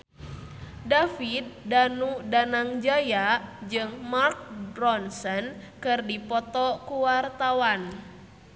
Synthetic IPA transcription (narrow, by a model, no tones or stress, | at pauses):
dafit̪̚danudanaŋd͡ʒajad͡ʒɨŋmark̚bɾɔnsənkɨrdipɔt̪ɔkuwart̪awan